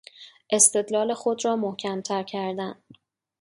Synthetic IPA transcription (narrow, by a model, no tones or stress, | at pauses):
ʔe̞st̪e̞d̪lɒːle̞xod̪ɾɒːmohcʰæmt̪ʰæɾcʰæɾd̪æn